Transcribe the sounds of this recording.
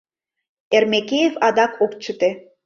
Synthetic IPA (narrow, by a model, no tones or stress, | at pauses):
ermekejefɑd̪ɑkʰokt͡ɕət̪e